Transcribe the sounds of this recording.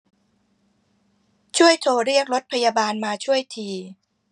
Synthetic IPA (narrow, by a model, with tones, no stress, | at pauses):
t͡ɕʰu˥˩əjt̪ʰoː˧ɾi˥˩ək̚ɾo˦˥t̪̚pʰa˧jaː˧baː˧nmaː˧t͡ɕʰu˥˩əjt̪ʰiː˧